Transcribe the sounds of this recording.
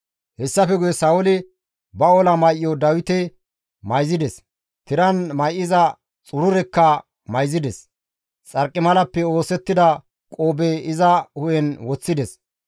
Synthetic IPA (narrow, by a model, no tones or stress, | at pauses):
hɛsːɐfɛɡʊjɛsɐwʊlɪ | bɐolɐmɐjʔjɔd̪ɐwɪt̪ɛ | mɐjzɪd̪ɛs | t̪ɪɾɐnmɐjʔɪzɐ | t͡sʼʊɾʊɾɛkːɐ | mɐjzɪd̪ɛs | t͡sʼɐɾkʼːɪmɐlɐpːɛo̞ːsɛt̪ːɪd̪ɐ | kʼoːbɛɪzɐhʊjɛnwɔt͡sːɪd̪ɛs